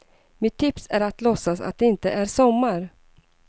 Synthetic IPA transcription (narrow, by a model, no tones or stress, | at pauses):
mɪt̪ʰːɪpsæɾat̪lɔsːasa̰t̪̚d̪ɛɪnt̪əʔæɾsɔmːaɾ